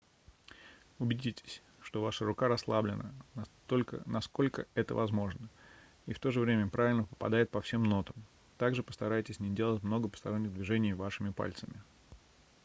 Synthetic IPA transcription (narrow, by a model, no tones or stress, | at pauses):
ʊbʲɪdʲitʲɪ̥sʲ | ʂt̪o̞vaʂəɾʊkaɾɐslˠablʲɪnə̰nɐt̪olʲkə̰nɐsko̞lʲkə̰ɛt̪ə̰vɐzmo̞ʐnə | ift̪o̞ʐɨvɾʲemʲəpɾavɪlʲnəpə̥pɐ̰d̪aɪt̪̚pɐfsʲe̞mno̞t̪əm | t̪aɡʐɨpə̥st̪ɐɾajɪtʲɪsʲnʲɪdʲe̞lˠətʲmno̞ɡəpə̥st̪ɐɾo̞nʲːɪɣd̪vʲɪʐɛnʲɪjvaʂɨmʲɪpa̰lʲt̪səmʲɪ